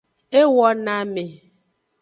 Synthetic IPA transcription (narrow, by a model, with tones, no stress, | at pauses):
e˦wɔ˦na˨me˨